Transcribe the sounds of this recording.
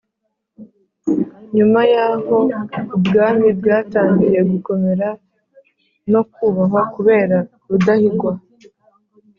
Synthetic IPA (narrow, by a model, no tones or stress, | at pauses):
ɲumajaːho̞ibɡaːmibɡaːtaːɲɡije̞ɡuko̞meɾa | no̞kuːβaɦo̞kuβe̞ːɾa | βudahiɡwa